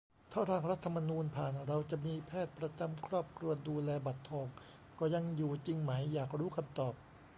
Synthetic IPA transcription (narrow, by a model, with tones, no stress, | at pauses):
t̪ʰaː˥˩ɾaː˧˩ŋɾa˦˥t̪ʰːa˧mːa˧nuː˧npʰaː˨˩nɾa˧wt͡ɕa˨˩ʔmiː˧pʰɛː˥˩t̪̚pɾa˧t͡ɕa˧mkʰɾɔː˥˩p̚kʰɾu˧ɐduː˧lɛː˧ba˨˩t̪ʰːɔː˧˩ŋ | kɔː˧˩ja˧ŋjuː˨˩t͡ɕi˧ŋma˩˦jːaː˨˩k̚ɾuː˦˥kʰa˧mt̪ɔː˨˩p̚